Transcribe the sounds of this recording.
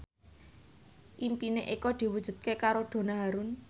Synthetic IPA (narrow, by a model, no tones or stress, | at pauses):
ʔimpineʔekɔd̪̥i̤wud̥ʒ̥ṳd̪̚kekaɾoɖ̪̥o̤naɦaɾʊn